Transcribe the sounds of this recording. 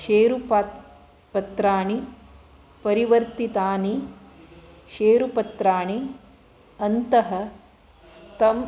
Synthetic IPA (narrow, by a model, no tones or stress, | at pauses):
ʃeːɾupː | pɐt̪ɾaːɳi | pɐɾiʋɐɾt̪it̪aːni | ʃeːɾupɐt̪ɾaːɳi | ɐnt̪ɐɦɐ | st̪ɐm